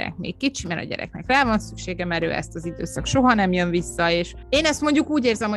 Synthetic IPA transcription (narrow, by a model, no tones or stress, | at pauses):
ɛ̰k̚mḛːk̚kːit͡ʃimɛɾɒ̰ɟɛ̰ɾɛ̰k̚nɛkraːvɒnsykʃeːɡɛmɛɾø̰ːʔɛ̰st̪ɒzid̪ø̰ːsɒkʃo̞ɦɒnɛmjønvisːɒeːʃ | eːnɛst̪mo̞ɲɟukuːɟeːrzɛmho